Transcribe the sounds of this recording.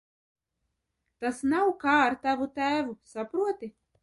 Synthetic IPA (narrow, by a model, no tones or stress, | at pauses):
t̪asnawkaːɾt̪avut̪æːvusapɾuɔt̪i